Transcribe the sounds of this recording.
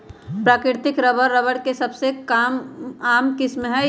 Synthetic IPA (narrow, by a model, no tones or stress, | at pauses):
pɾaːkɾɪɾt̪ɪkɾəbəɾːəʋəɽkesɐbsekamaːmkɪsmɦɛ